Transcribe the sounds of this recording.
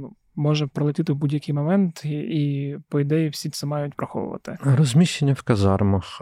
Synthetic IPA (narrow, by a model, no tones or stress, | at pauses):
nu | mɔʒɛpɾɐlˠɪtʲit̪ɪwbudʲjɐkʲijmɔmɛnt̪ipɔɪd̪ɛjiwsʲit̪sɛmɑjʊtʲpɾɐxɔ̰ʋʊ̰ʋɐ̰t̪ɪ̰ɾɔzʲmʲiʃenʲːɐwkɐzɑrmɐx